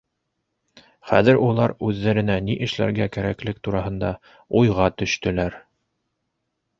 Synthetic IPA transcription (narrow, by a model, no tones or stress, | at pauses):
χæ̰ðɘɾulˠɑɾʉðːæɾɘ̆næniʔɘ̆ʃlæ̰ɾɡækæɾæklɘk̚t̪uɾɑɦɤ̆nd̪ɑ | ujʁɑt̪ɵ̆ʃt̪ɵ̆læɾ